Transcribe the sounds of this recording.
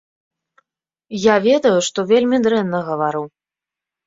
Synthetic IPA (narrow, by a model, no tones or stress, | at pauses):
javʲɛd̪ɐjuʂt̪ɔvʲelʲmʲid̪ɾɛnːɐɣɐvaɾu